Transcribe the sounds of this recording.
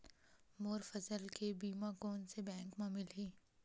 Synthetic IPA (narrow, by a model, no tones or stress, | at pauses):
moːɾfɐzəlkebiːmakoːnsebɛ̃ːŋkmãːmɪlɦiː